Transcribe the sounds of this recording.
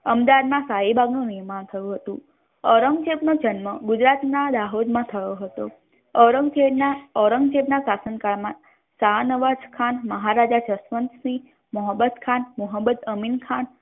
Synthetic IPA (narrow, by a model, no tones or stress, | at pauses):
əmd̪aʋad̪mãsaɦibʱaɡnũniɦmant̪ʰəjũɦət̪ũ | ɔɾəŋɡd͡ʒebnod͡ʒənməɡud͡ʒɾat̪nad̪aɦod̪mãt̪ʰəjoɦət̪o̰ | ɔɾəŋɡd͡ʒeɽnaɔɾəŋɡd͡ʒebnasasənkaɭmã | sanəʋad͡ʒkʰanməɦaɾad͡ʒat͡ʃəsʋənt̪sĩ | məɦəbəd̪kʰanmuɦəbəd̪əminkʰan